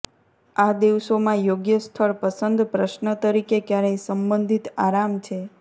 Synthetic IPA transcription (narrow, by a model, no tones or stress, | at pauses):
ad̪iʋsomãjoɡjəst̪ʰəɭpəsənd̪pɾəʃnət̪əɾikekjaɾesəmbə̃nd̪ʱit̪aɾamt͡ʃʰe